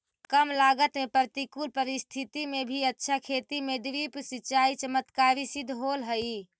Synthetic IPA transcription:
kəmlaɡət̪mepəɾt̪ikulpəɾist̪ʰit̪imebʱiətːʃʰakʰet̪imeɖ̪ɾipsit͡ʃaːit͡ʃəmət̪kaːɾisid̪ʱɦolɦəi

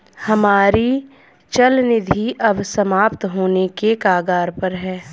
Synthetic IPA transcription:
hɐmaːɾi | t͡ʃɐlnɪd̪ʱiʔɐbsɐmaːpt̪ɦoːnekekaːɡaːɾpɐɾɦɛː

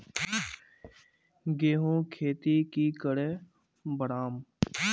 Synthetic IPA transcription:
ɡeːɦõːkʰeːt̪ikikəɽeː | bəɽaːm

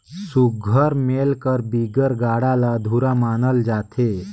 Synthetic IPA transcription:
suɡʱəɾmelkəɾbiɡəɾɡaːɽalad̪ʱuɾamaːnəld͡ʒat̪ʰe

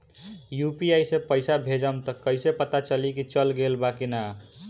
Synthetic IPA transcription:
jupiajsẽpəɪsabʱed͡ʒəmt̪ʌkəjsepət̪at͡ʃəlikit͡ʃʌlɡelbakina

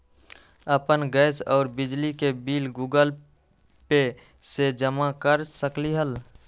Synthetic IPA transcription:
əpənɡɛːsɔːɾbɪd͡ʒlikebiːlɡuːɡəl | pe | sed͡ʒəmakəɾsəkliɦəl

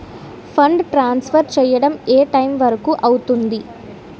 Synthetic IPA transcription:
pʰɐɳɖʈɾaːnspʰɐɾt͡ʃɛːjɐɽɐmeːʈɐjmʋɐɾɐkuʔɐwut̪und̪i

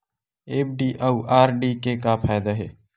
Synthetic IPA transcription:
eːp̚ɖiːʔauaːɾɖikekapʰaːjd̪aɦeː

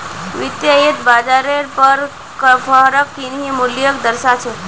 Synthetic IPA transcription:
ʋɪt̪jait̪bad͡ʒaɾeɾpəɾ | kəfʰəɦɾəkːinimʊljəkd̪əɾʃat͡ʃʰe

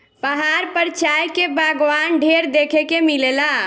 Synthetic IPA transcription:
pəɦaɾpəɾt͡ʃajkebaɡʋanɖʱeɾd̪ekʰekemilela

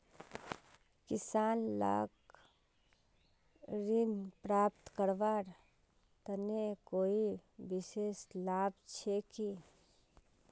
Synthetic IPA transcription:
kɪsaːnla̰ːɡ | ɾɪnpɾaːpt̪kəɾʋaːɾ | t̪ənekoːibɪʃeːslaːb̚t͡ʃʰeki

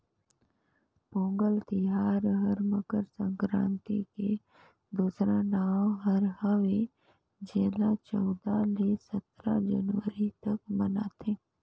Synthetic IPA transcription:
põːŋɡəlt̪ɪɦaːɾɦəɾməkəɾsə̃ŋkɾã̰ːnt̪ḭke | d̪uːsɾanaːwɦəɾɦəʋe | d͡ʒɛːlat͡ʃɔːd̪alesət̪ɾa̰d͡ʒə̰nwəɾit̪ɐkməna̰ːt̪ʰeː

